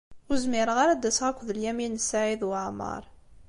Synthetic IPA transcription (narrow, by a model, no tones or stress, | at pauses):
ʊzmɪɾəʁaɾæd̪æsʁækʷːðəljæminəsaʕiðwəʕmə̰ɾˤ